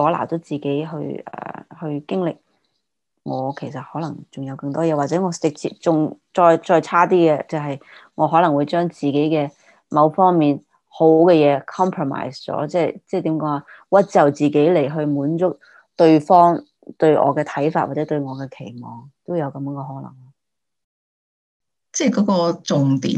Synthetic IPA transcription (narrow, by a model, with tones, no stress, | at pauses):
ɔː˨˥la̰ː˨˩wt̪o˨˥wt͡siː˨˩ke˨˥jɦɵ̰˧ɥɛ̰ː˨˩hɵ˧ɥkɪ˥ŋlɪ˨k̚ | ŋɔː˨˧kʰe˨˩jsɐ˨t̚hɔː˨˥lɐ˨˩ŋt͡sʊ˨ŋjɐ˨˧wkɐ˧ŋt̪ɔː˥jɛː˨˧wa˨t͡sɛ˨˥ŋɔː˨˧t͡sɪ˨k̚t͡sʰḭː˧t͡sʊ˨ŋt͡sɔː˧jt͡sɔː˧jt͡sʰaː˥t̪̬iː˥kɛ˧t͡sɐ˨wɦɐ˨j | ŋɔː˨˧ɦɔː˨˥lɐ˨˩ŋwu˨˧jt͡ʃœː˥ŋt͡siː˨˩ke˨˥jkɛː˧ | mɐ˨˧wfɔː˥ŋmiː˨n | ho˨˥kɛː˧jɛː˨˧kʰɔː˥mpʰɹo˨ma̰ː˨˩jst͡sɔ̰ː˨˥t͡sɛː˥jt͡sɛː˥˩t̪iː˨˥mkɔː˨˧ŋwaː˨˧ | wɐ˥t̚t͡sɐ˨wt͡siː˨ke˨˥jle˨˩jɦɵ˧ɥmuː˨˥nt͡sʊ˥k̚ | t̪ɵ˧ɥfɔː˥ŋ | t̪ɵ˧ɥʔɔ̰ː˨˧kɛː˧t̪ʰɐ˨˥jfaː˧t̚waː˨˩t͡sɛː˨˧˥t̪ɵ˧ɥŋɔː˨˧kɛː˧kʰe˨˩jmɔː˨˩ŋt̪o˥wjɐ˨˧wkɐ˨˥mjŋkɔ˧ɦɔː˨˥lɐ̰˨˩ŋlɔ˥ | t͡sɛː˥˩kɔː˨˥kɔː˧t͡sʊ˨ŋt̪ḭː˨